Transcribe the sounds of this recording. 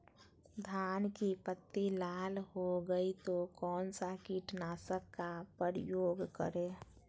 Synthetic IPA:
d̪ʱankipət̪ːilalhoɡəit̪okɔːnsakiʈnasəkːapəɾjoɡkə̰ɾe

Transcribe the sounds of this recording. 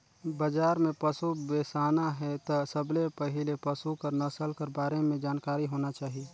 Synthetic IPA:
bəd͡ʒaːɾmẽpəsubeːsaːnaɦɛt̪ɔsəblepəɦɪlepəsukəɾnəsəlkəɾbaːɾemẽd͡ʒaːnkaːɾiɦoːnat͡ʃaːɦie

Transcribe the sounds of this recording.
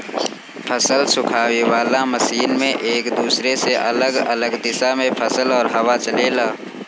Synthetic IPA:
pʰəsəlsʊkʰaːwewaːlaməsiːnmẽʔeːkd̪uːsɾeseʔɐ̰ləɡɐ̰ləɡd̪ɪsamẽpʰəsəlɔːɾɦɐwat͡ʃəleːlaː

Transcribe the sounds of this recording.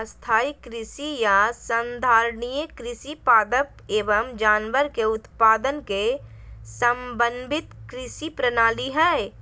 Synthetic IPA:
st̪ʰaːikɾɪsijasənd̪ʱaːɾnijekɾɪsipaːd̪əpeːʋəmd͡ʒaːnʋəɾkeʊt̪paːd̪ənke | səmbə̃nd̪ʱɪt̪kɾɪsipɾənaːliɦɛː

